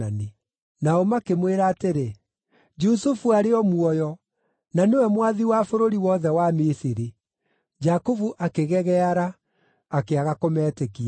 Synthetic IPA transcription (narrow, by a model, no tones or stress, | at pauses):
ani | naɔmakemweɾaːteɾe | d͡ʒusufuaɾeɔmuɔjɔ | nanewɛmwaðiwafoɾoɾiwɔðɛwamisiɾi | d͡ʒakovuʔakeɣɛɣɛaɾaː | keaɣakomɛːtekia